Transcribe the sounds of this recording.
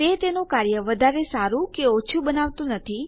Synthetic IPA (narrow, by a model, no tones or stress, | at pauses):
et̪enũkaɾjəʋəd̪ʱaɾesaɾũkeot͡ʃʰubənaʋt̪ũnət̪ʰi